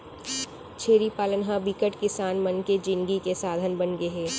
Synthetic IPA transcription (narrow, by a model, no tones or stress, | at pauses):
t͡ʃʰeːɾipaːlənɦãbɪkəʈkɪsaːnmɐnked͡ʒɪ̃ŋɡikesaːd̪ʱənbənɡeɦɛː